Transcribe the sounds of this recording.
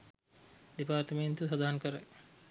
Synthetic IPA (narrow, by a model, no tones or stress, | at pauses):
ɖipaːɾʈment̪usad̪aɦankəɾə